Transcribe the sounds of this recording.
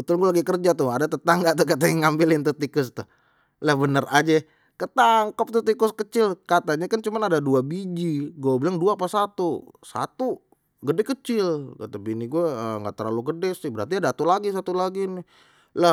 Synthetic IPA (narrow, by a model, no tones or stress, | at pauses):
bət̪ʊlɡualaɡikərd͡ʒat̪ʊhadat̪ət̪aŋɡat̪ukat̪aɲaŋambɪlɪnt̪ət̪ikʊst̪ʊh | ləhbənərʔad͡ʒɛ | kət̪aŋkap̚t̪ut̪ikʊskət͡ʃɪlkat̪aɲakant͡ʃumanadaduabid͡ʒiɡuabilaŋduapasat̪usa̰t̪u | ɡədɛkət͡ʃɪlka̰t̪abiniɡuɛəŋɡa̰ʔt̪əɾlaluɡədɛsɪhbəɾart̪iadat̪ulaɡis̬at̪ulaɡinɪ | lə